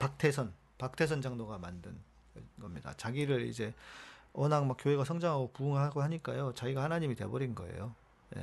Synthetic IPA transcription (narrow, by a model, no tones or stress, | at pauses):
pak̚tʰe̞sʰʌn | pak̚tʰe̞s̬ʰʌnd͡ʑaŋdoɡamandɯn | ɡʌmɲida̰t͡ɕaɡiɾɯɾḭd͡ʑe̞ʌnaŋmak͈joɦe̞ɡasʰʌŋd͡ʑaŋɦaɡopuɯŋɯɭɦaɡohaɲik͈a̰jot͡ɕaɡiɡahanaɲimite̞̰bʌɾinɡʌe̞̰jo | jḛ